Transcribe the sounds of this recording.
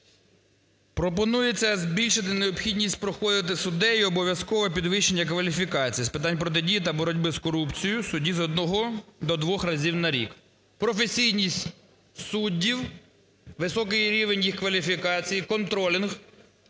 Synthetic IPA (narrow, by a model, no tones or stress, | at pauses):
pɾɔpɔnujet͡sʲːɐzʲbʲilʲʃɪt̪ɪneɔpxʲidʲnʲisʲtʲpɾɔxɔd̪ɪt̪̬ɪsʊd̪ɛiɔbɔʋʲjɐskɔʋɐpʲid̪ʋɪʃːenʲːɐk̬ʋɐlʲifʲikɑt͡sʲijispɪt̪ɑnʲpɾɔt̪̬ɪdʲijit̪ɐbɔɾɔdʲbɪskɔɾupt͡sʲijʊsʊdʲizɔd̪̚nɔɦɔd̪ɔd̪ʋɔxrɐzʲiwnɐɾʲḭk | pɾɔfe̞sʲijnʲisʲtʲ | sudʲːiw | ʋɪsɔkɪjɾʲiʋenʲjixkʋɐlʲifʲikɑt͡sʲijikɔnt̪ɾɔlʲɪnx